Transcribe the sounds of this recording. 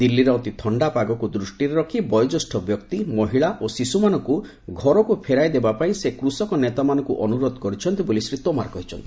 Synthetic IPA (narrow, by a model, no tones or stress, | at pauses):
d̪ilːiɾɔot̪it̪ʰɔɳɖapaɡɔkud̪ɾusʈiɾeɾɔkʰibɔjɔd͡ʒɔsʈʰɔbjɔkt̪imɔɦiɭaʔosisumanɔŋku | ɡʱɔɾɔkupʰeɾajd̪ebapaĩsekɾusɔkɔnet̪amanɔ̃ŋkuʔɔnuɾod̪ɔkɔɾit͡ʃʰɔnt̪ibolisɾit̪ɔmaɾɔkɔɦit͡ʃʰɔnt̪i